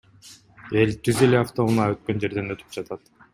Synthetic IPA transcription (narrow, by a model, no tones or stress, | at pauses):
e̞lt̪ʰyze̞le̞aft̪o̞munɑøt̪̚kø̞nd͡ʒe̞ɾd̪e̞nøt̪ʰy̥p̚d͡ʒɑt̪ʰɑt̪